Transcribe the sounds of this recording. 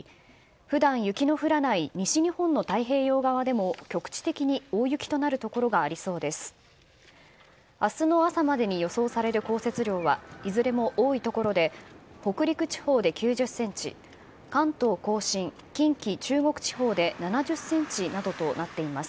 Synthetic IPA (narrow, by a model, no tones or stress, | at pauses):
ɸɯ̟d̪ãɰ̃jɯ̟kʲino̞ɸɯ̟ɾanaiɲ̟iɕiɲ̟ihõ̞nːo̞t̪aiɦe̞ːjo̞ːɡaβad̪e̞mo̞kʲo̞kɯ̥t͡ɕi̥t̪e̞kʲiɲ̟ioːjɯ̟kʲi̥t̪o̞naɾɯ̟t̪o̞ko̞ɾo̞ɡaːɾʲiso̞ːd̪e̞sɨ̥ | asɨno̞asamad̪e̞ɲ̟ijo̞so̞ːsaɾe̞ɾɯ̟ko̞ːse̞t͡sɨɾʲo̞ːβaizɨɾe̞mo̞ʔoːit̪o̞ko̞ɾo̞d̪e̞ho̞kɯ̟ɾʲikɯ̟t͡ɕi̥ho̞ːd̪e̞kʲɨːʑɨsːẽ̞ɲ̟t͡ɕḭ | kãnt̪o̞ːko̞ːɕĩŋ | kʲĩŋkʲit͡ɕɨːŋo̞kɯ̟̥t͡ɕi̥ɦo̞ːd̪e̞nanaʑɨsːẽ̞ɲ̟t͡ɕinad̪o̞t̪o̞nat̪ːe̞imasɨ̥